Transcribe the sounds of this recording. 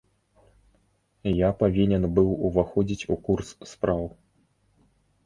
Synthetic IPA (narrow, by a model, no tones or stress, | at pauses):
japavʲinʲɛnbɨwuvaxɔd͡zʲit͡sʲukursːpɾaw